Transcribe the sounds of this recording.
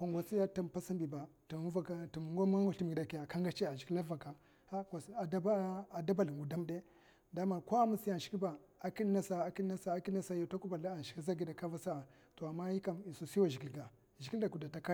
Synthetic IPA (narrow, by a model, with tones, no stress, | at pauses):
ka˨ŋɡʷa˨si˦ja˦ta˦mpa˦sa˦mbi˨ba˨tu˨m˦va˦ka˦tu˨m˨ŋɡo˦m˦a˦ŋ˦ɡa˨˦i˨m˨ɡi˨da˨ki˨ja˨ka˦ŋɡa˦t͡ʃi˦a˨ʒi˨ki˦la˦va˨ka˨ | a˦ka˨sa˨dba˨da˦ba˦˨li˨ŋɡu˨da˦mde˦ | da˦ma˨ɾkʷa˦mu˦si˦a˨ʃi̥˨ki˦ba˨ | a˨ki˦na˦sa˨a˨ki˦na˦sa˦ki˦a˦sa˦ja˨ta˦ku˦ba˨la˦a˨ʃi̥˨ki˦z̬a˦ɡi˦da˨ka˦va˦sa˦a˨ | to˨a˨mːa˦ji˦ka˨mi˨su˨si˦wa˨ʒi˨i˦lɡa˨ | ʒi˨ki˦da˨ku˨da˨ta˦ka˦˨